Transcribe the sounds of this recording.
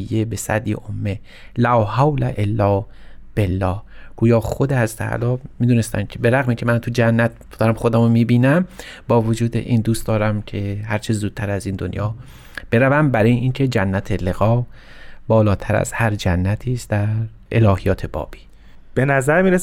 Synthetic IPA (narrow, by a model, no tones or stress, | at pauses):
jːebe̞sæ̰d̪ḭʔomːe | læwhawlæʔelːɒː | b̥e̞lːɒːhɡ̥uːjɒːxod̪ehæzt̪ʰæ̰æ̰lɒːmiːd̪uːne̞st̪æ̰nkcʰebe̞ɾæɣmiːcʰemænt̪ʰud͡ʒænːæt̪̚d̪̥ɒːɾæmxod̪æmomiːbiːnæm | bɒːvod͡ʒuːd̪ḛʔiːnd̪uːst̪d̪ɒːɾæmcʰe̞hæɾt͡ʃʰezuːd̪̥̚t̪ʰæɾæziːnd̪o̰njɒː | b̥e̞ɾævæmbæɾɒːjeʔiːncʰe̞d͡ʒænːæt̪ʰeleɣɒː | bɒːlɒːt̪ʰæɾæ̰z̥hæɾd͡ʒænːæt̪ʰiːst̪d̪æɾ | ʔe̞lɒːhijɒːt̪ʰe̞bɒ̰ːb̥i̥ː | b̥enæzæɾmiːɾes